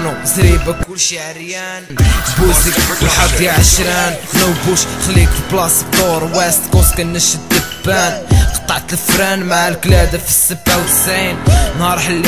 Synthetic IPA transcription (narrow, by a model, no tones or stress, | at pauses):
nuzɾibakʊlʃʕɾjæ | nbusikħɑb̪jaʕəʃɾinnəwbuʃxlikblɑsfoɾˤwæst̪kũskənːəʃəd̪ːəbːænqɑ̥t̪ˤːɑʕt̪əlfɾænmaʕalklæd̪afi̥sːəbːawsinnhɑɾˤħəlː